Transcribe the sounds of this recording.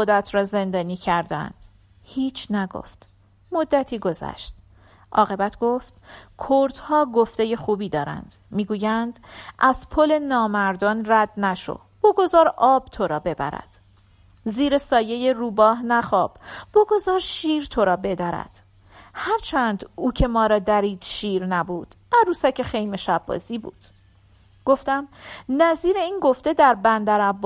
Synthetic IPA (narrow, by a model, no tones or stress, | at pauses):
od̪æt̪ʰɾɒːze̞nd̪ɒːniːcʰæɾd̪æ̰nd̪̥ | hiːt͡ʃʰnæɡo̰ft̪ | mo̞d̪ːæt̪ʰiːɡo̞zæ̰ʃt̪̚ | ʔɒ̰ːɣe̞bæt̪ʰɡ̥o̞ft̪kʰoɾt̪hɒːɡo̞ft̪e̞je̞xuːbiːd̪ɒːɾæ̰nd̪̥miːɡuːjænd̪ʔæz̥pʰole̞nɒːmæɾd̪ɒːnræd̪næʃo̰ | b̥ɒːɡo̞zɒːɾɒːb̥̚t̪ʰo̞ɾɒːbe̞bæ̰ɾæ̰d̪̥ | ziːɾe̞sɒːje̞jeruːbɒːɦnæχɒːb̥b̥ɒːɡo̞zɒːɾʃiːɾt̪ʰoɾɒːbe̞d̪æɾæ̰d̪̥ | hæɾt͡ʃʰænd̪uːcʰe̞mɒːɾɒːd̪æɾiːd̪̥ʃiːɾnæbuːd̪̥æɾuːsæcʰexejmeʃæbːɒ̰ːziːbṵːd̪̥ | ɡ̥o̞ft̪æmnæziːɾe̞iːnɡo̞ft̪e̞d̪æɾbænd̪æɾæbː